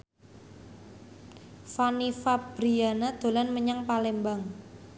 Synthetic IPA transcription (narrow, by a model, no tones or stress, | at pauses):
fanifab̥ɾianad̪̥o̤lanməɲaŋpalembaŋ